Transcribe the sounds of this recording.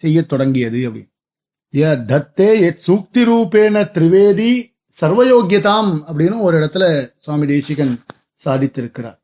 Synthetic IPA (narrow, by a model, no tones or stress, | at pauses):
sɛjːɐt̪ːɔɽɐŋɡɪjɐðɯɐpːɐɽɪ̰n | jed̪ʱɐt̪ːeːɛsuːk̚t̪iɾuːpeːnɐt̪ɪɾɪʋeːði | sɐɾʋɐjoːɡjɐt̪aːmɐpːɐɽɪnːɯɔɾɪɽɐt̪ːɪlɐswaːmid̪eːʂɪɣɐn | saːðɪt̪ːɪɾɯkːɪɾa̰ːɾ